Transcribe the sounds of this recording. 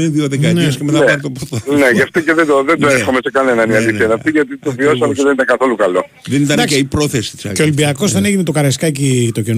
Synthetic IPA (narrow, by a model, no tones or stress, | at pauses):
enðioðekɐniɐskemet̪aeɐt̪opot̪ɐneʝɐft̪oceðend̪oðenoesxo̞mesekɐne̞nɐniɐliθiɐnɐft̪iʝɐt̪it̪ovio̞sɐmeceðenit̪ɐŋɡɐθo̞lukɐlo̞ | ðenit̪ɐnkeipɾo̞θesi̥t̪isɐ̰ceolimbiɐko̞zðe̞neʝinet̪o̞kɐɾɐskɐcit̪o̞cen